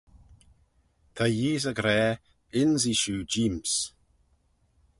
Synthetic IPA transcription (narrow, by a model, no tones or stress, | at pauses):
t̪ʰajiːzəɡɾɛː | ɪnziʃuːd͡ʒiːms